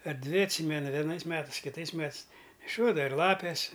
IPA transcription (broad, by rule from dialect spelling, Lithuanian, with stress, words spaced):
ɐr ˈdʲʋʲɪ ɐtʲˈsʲiːmʲɛnʊ ʋʲɛˈnɐɪs ˈmʲæːtɐɪs kʲɪˈtɐɪs ˈmʲæːtɨs nʲɛˈʃʲoːdɐʋɐ ɪr ˈlˠɑːpʲeːs